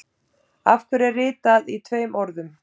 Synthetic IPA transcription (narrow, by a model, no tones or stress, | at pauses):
a̰fkʏɾɛrrɪːt̪aðit̪ʰveːjmʔɔɾðʏm